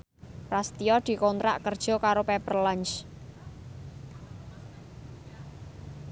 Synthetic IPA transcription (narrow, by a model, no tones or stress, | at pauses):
pɾast̪ijɔd̪̥i̤kɔnt̪ɾa̰ʔkərd̥ʒ̥ɔ̤kaɾopɛpərlaɲt͡ʃ